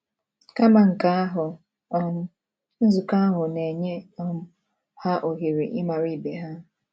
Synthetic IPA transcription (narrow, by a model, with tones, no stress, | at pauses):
ka˦ma˨ŋ̩˨ka˦a˦ɦʊ˨ | ɔ˨n̩˦ | n̩˦zʊ˨ka˦ɦʊ˨ne˨ɲe˦ɔ˦m˦ | ha˦ʔo˨ɦi˨ɾi˨ʔɪ˦ma˨ɾi˦˨be˨ɦa˦